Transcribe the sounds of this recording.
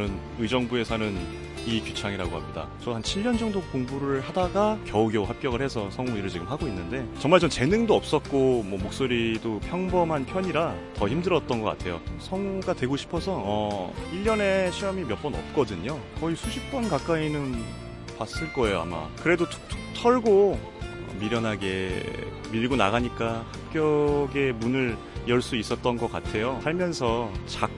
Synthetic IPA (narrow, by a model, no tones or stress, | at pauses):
nɯn | ɯd͡ʑʌŋbue̞sʰʌnɯn | ikjut͡ɕʰaŋiɾaɡohamɲida̰t͡ɕʌɦant͡ɕʰiʎːjʌnd͡ʑʌŋdokoŋbuɾɯɭhadaɡakjʌuɡjʌɦap̚k͈jʌɡɣɯɭhe̞sʰʌsʰʌŋuiɾɯɭt͡ɕiɡɯmɦaɡoinːɯnde̞t͡ɕʌŋmaɭt͡ɕʌmt͡ɕe̞nɯŋdoʌp̚s͈ʌt̚k͈omwʌmok̚s͈oɾidopʰjʌŋbʌmɦanpʰjʌɲiɾatʌçimdɯɾʌt̚t͈ʌnɡʌk͈a̰tʰe̞jo̰sʰʌŋuɡadwe̞ɡoɕʰi̥pʰʌsʰʌʌiʎːʌne̞ɕʰiʌmimjʌp͈ʌnʌ̰p̚k͈ʌdɯɲokʌisʰuɕʰip̚p͈ʌnkak͈ainɯn | pas͈ɯɭk͈ʌe̞joa̰ma̰kɯɾe̞dotʰʌɭɡo | ʌ̰miɾjʌnɦaɡe̞ | miɭɡona̰ɡaɲik͈ahap̚k͈jʌɡe̞munɯɾ | jʌɭs͈uis͈ʌt̚t͈ʌnɡʌk͈a̰tʰe̞josaɭmjʌnsʰʌt͡ɕak̚